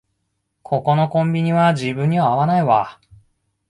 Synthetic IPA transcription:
kʰo̞ko̞no̞kõ̞mbʲiɲ̟iβad͡ʑibɯ̟̃ɲ̟ːiβaːβanaiβa

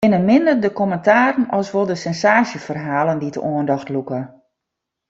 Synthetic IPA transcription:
ɪnənmɪndərdəkɔməntaːɾənɔsʋolˠdəsɛnsaːsjəfərɦaːləndidə̰ʔoəndɔxtlukə

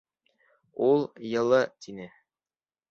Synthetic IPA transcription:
ulˠjɤ̆lˠɤt̪inɘ

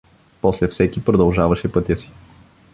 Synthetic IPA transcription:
pɔslɛfsɛkipɾod̪ɐlˠʒavɐʃɛpɤt̪ʲəsi̥

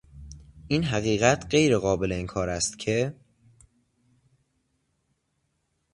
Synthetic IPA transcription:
ʔiːnɦæɣiːɣæt̪ʰɢe̞jɾe̞ɣɒːbe̞le̞iːnkʰɒːɾæst̪cʰe̞

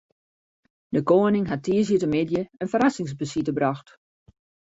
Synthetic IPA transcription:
dəkoːənɪŋɦatʰːiːəzjətəmɪdjəənfəɾasɪŋsbəsitəbraxt

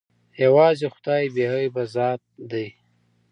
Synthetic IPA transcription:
jawɑːzexʊ̥d̪ɑːibeɦajbazɑːt̪̚d̪aj

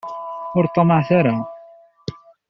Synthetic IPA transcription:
ʊɾt̪ˤːɑməʕθaɾa

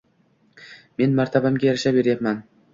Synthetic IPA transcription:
me̞nmaɾt̪ʰabamɡʲajaɾaʃapbeɾjapman

